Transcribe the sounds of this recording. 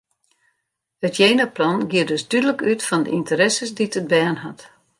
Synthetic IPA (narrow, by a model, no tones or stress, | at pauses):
ətjeːnəplɔnɡiərdøsdydələkytfɔndə̰ʔintəɾɛsəsditəd̚bɛːnɦat